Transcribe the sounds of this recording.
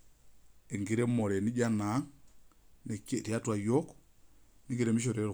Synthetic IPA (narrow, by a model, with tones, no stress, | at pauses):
e˨ŋɡi˨ɾe˦mo˨ɾe˨ni˦ɟa˦na˨˦ŋ | ni˨ke˦ti˨a˦twa˨jo˦k | ni˦ŋɡi˨ɾe˦˨mi˦ʃ̬o˨ɾe˨˦ɾ